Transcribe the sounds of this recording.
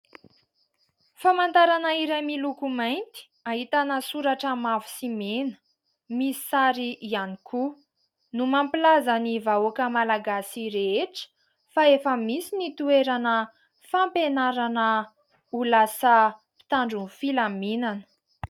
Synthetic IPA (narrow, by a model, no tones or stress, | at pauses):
famant̪aɾanəiɾamilukumajnt̪i̥ | aɦit̪anəsuɾaʈ͡ʂəmavu̥simenə̥ | misi̥saɾiʔianikʰu | numampilazənivaokəmalaɡasiɾeeʈ͡ʂə̥ | faefəmisinit̪ueɾanə | fampenaɾanə | ulasəpi̥t̪aɳɖ͡ʐunfilaminanə̥